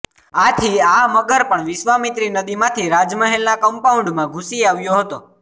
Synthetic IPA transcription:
at̪ʰiaməɡəɾpəɳʋɪʃʋamit̪ɾinəd̪imãt̪ʰiɾad͡ʒməɦelnakəmpaũɳɖmãɡʱusiaʋjoɦət̪o

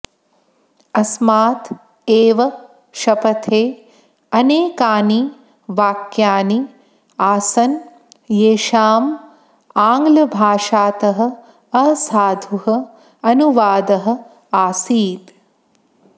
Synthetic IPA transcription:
ɐsmaːt̪ | eːʋɐ | ʃɐpɐt̪ʰeː | ɐneːkaːni | ʋaːkjaːni | aːsɐn | jeːʃaːm | aːŋɡlɐbʱaːʃaːt̪ɐɦɐ̆ | ɐɦɐsaːd̪ʱuɦɐ | ɐnuʋaːd̪ɐɦɐ̆ | aːsiːt̪

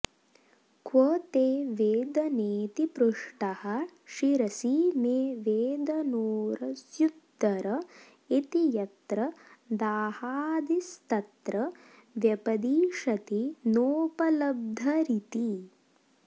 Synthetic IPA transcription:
kwoːt̪eːʋeːd̪ɐneːt̪ipɾuʂʈɐhɐʃiɾɐsiːmeːʋeːd̪ɐnoːɾɐsjud̪ːɐɾɐ | it̪ijɐt̪ɾɐd̪aːhaːd̪ist̪ɐt̪ɾɐ | ʋjɐpɐd̪iːʂɐt̪inoːpɐlɐb̚d̪ʱɐɾit̪i

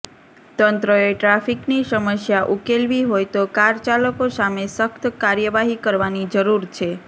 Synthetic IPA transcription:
t̪ənt̪ɾəeʈɾafiknisəməsjaʔukelʋiɦojt̪okaɾt͡ʃaləkosamesəkt̪ʰkaɾjəʋaɦikəɾʋanid͡ʒəɾuɾt͡ʃʰe

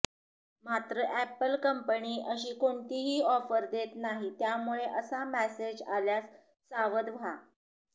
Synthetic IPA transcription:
mat̪ɾəʔæpəlkəmpəniːʔəɕiːkoɳt̪iːɦiːɔfəɾd̪et̪naɦit̪jamuɭeʔəsamæsed͡ʑa̰ljasː | aʋəd̪ʋʱa

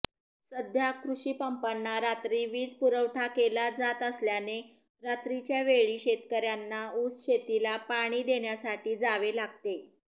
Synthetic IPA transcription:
səd̪ʱjakɾuɕiːpəmpanːaɾat̪ɾiːʋiːd͡zpuɾəʋʈʰakelad͡zat̪əsljane | ɾat̪ɾit͡ɕjaʋeɭiːɕet̪kəɾjanːaut͡sɕet̪ilapaɽ̃iːd̪eɳjasaʈiːd͡zaʋelaɡ̚t̪e

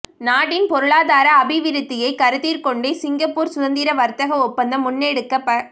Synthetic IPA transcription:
naːɽɪnpɔɾɯɭaːðaːɾɐːbɪʋɪɾɯt̪ːɪjɐɪkɐɾɯðiːɾkɔɳɖeːsɪŋɡɐpːuːɾsʊðɐnd̪iːɾɐʋɐɾt̪ɐɣɐɔpːɐnd̪ɐmʊnːeɽɯkːɐpːɐ

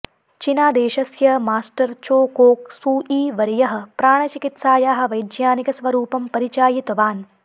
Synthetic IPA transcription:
t͡ʃinaːd̪eːʃɐsjɐmaːsʈɐɾt͡ʃoːkoːksuːʔiːʋɐɾijɐɦɐ̆pɾaːɳ̃ɐt͡ʃikit̪saːjaːɦɐ̆ʋɐjd̪jaːnikɐsʋɐɾuːpɐmpɐɾit͡ʃaːjit̪ʋaːn

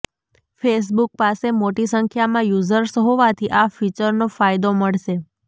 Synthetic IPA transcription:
fes̬buk̚pasemoʈisəŋkʰjamãjuzəɾsɦoʋat̪ʰiʔafit͡ʃəɾnofajd̪oməɭʃe

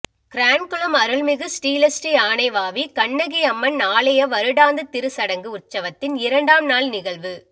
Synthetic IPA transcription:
kɾaːnkɯɭɯmɐɾɯɭmɪɣɯsʈiːlɐsʈiaːnɐɪʋaːʋikɐɳːɐɣiɐmːɐnnaːlɐjɐʋɐɾɯɽaːnd̪ɯt̪ɪɾɯsɐɽɐŋɡɯʊrt͡ʃːɐʋɐt̪ːɪnɪɾɐɳɖaːmnaːlnɪɣɐɭʋɯ

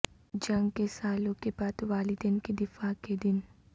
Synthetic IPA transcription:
d͡ʒɐ̃ŋɡkesaːlõkebaːd̪ʋaːlɪd̪ənked̪ɪfaːked̪ɪn

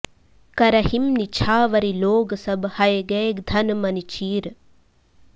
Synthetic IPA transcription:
kɐɾɐhimnit͡ʃʰaːʋɐɾiloːɡɐsɐbhɐjɡeːɡd̪ʱɐnmɐnit͡ʃiːɾ

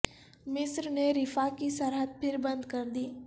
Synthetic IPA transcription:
mɪsɾneɾɪfakisɐɾɦət̪̚pʰɪɾbɐ̃nd̪kɐɾd̪iː

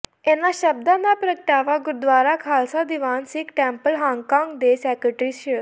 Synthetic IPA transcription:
ɛːnãːʃəb̚d̪ãːnaːpɾək̚ʈaːʋaːɡʊɾd̪ʋaːɾaːkʰaːlsaːd̪ɪʋaːnsɪkʈɛ̃ːmpəlɦãːŋɡkãːŋɡd̪eːsɛːkəʈɾiːsə

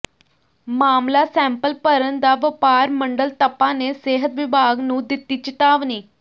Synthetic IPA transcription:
mamlasɛmpəlpəɾənd̪aʋəpaɾməɳɖəlt̪əpaneseɦət̪ʋibʱaɡnũːd̪it̪ːiːt͡ɕit̪aʋniː

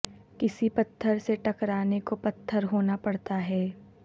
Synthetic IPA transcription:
kɪsipɐt̪ʰːəɾseʈɐkɾaːnekopɐt̪ʰːəɾɦoːnapɐɽt̪aɦɛː

